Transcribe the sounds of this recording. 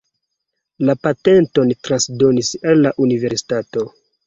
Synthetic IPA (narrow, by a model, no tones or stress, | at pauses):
lapate̞nto̞ntɾansdo̞nisalːaʔunive̞ɾsi̥tato̞